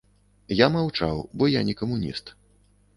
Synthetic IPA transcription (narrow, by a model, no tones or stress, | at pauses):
jamawt͡ʂawbɔjanʲɛkɐmunʲḭst̪